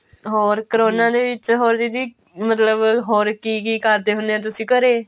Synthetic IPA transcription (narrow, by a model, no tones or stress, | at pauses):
ɦoːɾkəɾoːnãːd̪eːʋɪt͡ʃɦoːɾd̪id̪iː | mət̪ləbɦoːɾkiːkiːkəɾd̪eːɦʊnd̪eːɛ̃ːt̪̬ʊsĩːkəɾeː